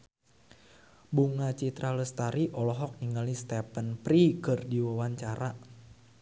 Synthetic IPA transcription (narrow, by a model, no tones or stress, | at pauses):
buŋat͡ʃit̪ɾaləst̪aɾiʔɔlɔɦɔk̚niŋalist̪ɛpənpɾikɨrdiwawaɲt͡ʃaɾa